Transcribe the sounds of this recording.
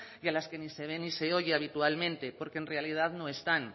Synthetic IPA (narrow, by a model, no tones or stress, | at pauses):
jalaske̞nise̞β̞enise̞o̞ʝeaβ̞it̪ualmẽ̞nt̪epo̞ɾke̞enre̞alið̞aðno̞e̞st̪an